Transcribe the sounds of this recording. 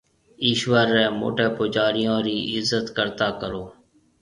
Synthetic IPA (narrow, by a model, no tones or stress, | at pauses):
iːʃʋəɾːɛːmo̰ːʈeːpoːd͡ʒaːɾɪjõːɾiːʔɪzːət̪kəɾt̪aːkəɾoː